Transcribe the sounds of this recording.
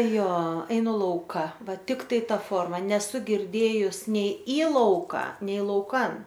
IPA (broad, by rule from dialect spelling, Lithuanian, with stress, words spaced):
ˈjoː ɛɪˈnʊ ˈlˠɐʊkɐ ˈʋɐ ˈtʲɪktɐɪ ˈtɐ ˈfoːrmɐ nʲɛˈsʊ ɡʲɪrʲˈdʲeːjʊs ˈnʲɛɪ iː ˈlˠɐʊkɐ nʲɛɪ lˠɐʊˈkɐn